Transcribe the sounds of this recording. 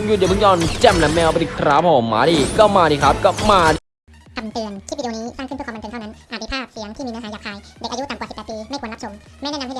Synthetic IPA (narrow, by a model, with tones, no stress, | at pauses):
ŋju˨˩i˨˩pʰɔː˧nt͡ɕɛ˧˩mlɛ˨˦˥mɛː˧wpa˧ti˨˩kʰɾaː˦˥pʰa˧˩o˨˦mːa̰ː˨˦diː˧˩kɔː˥˩maː˧diː˧˩kʰɾa˦˥p̚kɔː˥˩maː˧ | kʰa˧mt̪ɯ˧ənt͡ɕʰiː˥˩i˧˩˧niː˦˥saː˥˩kʰpʰːmː˧nʰa˥˩na˦˥ʔaː˨˩t̪̚ʰːi˧˩pʰaː˥˩p̚si˨˦əŋt̪ʰiː˥˩iː˧ɛː˧˥ɦa˨˦jaː˨˩kʰhaː˧jde˨˩k̚ʔa˧ju˦˥t̪a˨˩mka˨˩si˨˩pːt̪piː˧ma˥˩knla˦˥t͡ɕʰo˧˦m | ma˥˩nɛː˦˥na˧ha˥˩˨